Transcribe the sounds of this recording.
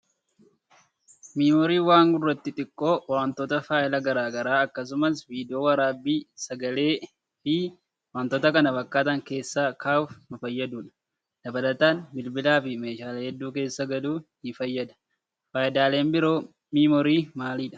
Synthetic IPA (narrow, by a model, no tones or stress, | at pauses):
miːmɔɾiːwaːŋɡʊrːɐt̪ːɪt̪ʼɪkʼːo̞ːwaːnt̪oːt̪ɐfaːʔɪlɐɡɐɾaːɡɐɾaːɐkːɐs̬ʊmɐsviːd̪ɪoːwɐɾaːbːiːsɐɡɐle̞ː | fɪ | waːnt̪oːt̪ɐkɐnɐbɐkːaːt̪ɐŋke̞ːsːaːkʰaːfmɐfɐjːɐd̪uːᶑɐ̥ | d̪̥ɐbɐlɐt̪aːnbɪlbɪlaːfɪme̞ːʃaːlehɛd̪ːuːke̞ːsːɐɡɐd̪uːnɪfɐjːɐd̪ɐ̥ | fɐːjɪd̪aːle̞ːmbɪɾo̞ː | miːmɔɾiːmaːliːᶑɐ̥